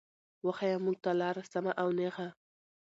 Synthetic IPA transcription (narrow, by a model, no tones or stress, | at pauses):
waxajamuɡ̚t̪alɑɾasamaʔawnexa